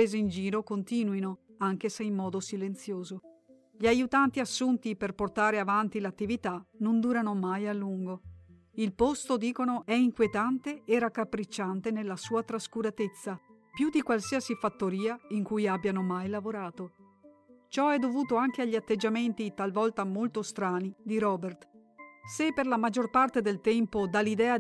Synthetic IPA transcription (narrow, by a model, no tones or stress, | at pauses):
eːziind͡ʒiːɾokont̪iːnwinoaŋk̟eseimːɔːd̪osilent̪sjoːzo | ʎiajut̪ant̪iasːunt̪iperport̪aːɾeavant̪ilat̪ːivit̪anond̪uːɾanomajalːuŋɡo | ilpost̪od̪iːkonoɛiŋkwiet̪ant̪eeɾakːapːɾit͡ʃːant̪enelːasuːat̪ɾaskuɾat̪et̪sːa | pjud̪ikwalsiasifat̪ːoɾiːaiŋkujabjanomajlavoɾaːt̪o | t͡ʃɔɛd̪ːovuːt̪oaŋk̟eaʎːiat̪ːed͡ʒːament̪it̪alvɔlt̪amolt̪ost̪ɾaːnid̪iɾɔbert̪ | sepːerlamad͡ʒːorpart̪ed̪elt̪ɛmpod̪alːid̪ɛːa